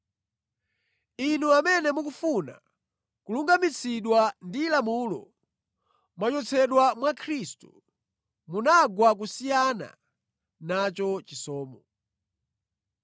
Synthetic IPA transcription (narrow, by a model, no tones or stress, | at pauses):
inuamɛnɛmukufuna̰ | kuluŋɡamit͡sʰiɗwandilamulɔ̰ | mwat͡ʃɔt͡sʰɛɗwamwakʰɾistṵ | munaɡwak̬usijana̰ | nat͡ʃɔt͡ʃisɔːmɔ